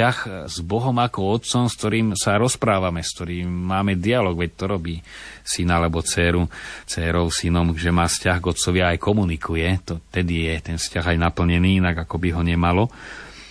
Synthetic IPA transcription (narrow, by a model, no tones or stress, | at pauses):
axzbɔɦɔmakɔɔt̪t͡sɔmskt̪ɔɾiːmsaɾɔspɾaːʋamɛskt̪ɔɾiːmːaːmɛd̪ialɔːɡʋɛc̚t̪ɔɾɔbiːsinalɛbɔt͡sɛːɾut͡sɛːɾɔʊsinɔmʒɛmaːfscaɣɡɔt̪t͡sɔʋɪaːjkɔmunikʰujɛt̪ɔt̪ɛd̪ijɛt̪ɛnfscaɣajnapl̩ɲɛniːinaɡakɔbiɦɔɲɛmalɔ